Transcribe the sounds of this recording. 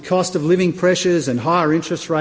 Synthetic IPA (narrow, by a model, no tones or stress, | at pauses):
kʰɔstʌvlɪvɪ̃ŋpʰɹ̥ɛʃə˞zɨ̃nɦaɪə˞ɪ̃nt͡ʃɹ̥ɨst̚ɹe